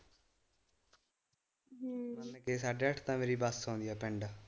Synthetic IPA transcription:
mənkeːsaːɖeːəʈʰt̪ãːmeːɾiːbəsõːnd̪iːɛːpɛ̃ɳɖaː

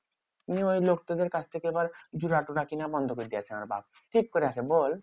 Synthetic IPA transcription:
t̪iniojlok̚ʈod̪eɾkat͡ɕʰt̪ʰekeebaɾd͡ʑuɾaʈoʈakinabɔnd̪ʱokoɾed̪ijat͡ɕʰenama̰ɾbʱa̰b̚ | ʈʰikːoɾeaʃʰebol

